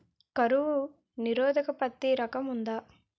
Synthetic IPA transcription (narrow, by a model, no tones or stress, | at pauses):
kɐɾuʋu | niɾɔːd̪ɐkɐpɐt̪ːiɾɐkɐmund̪aː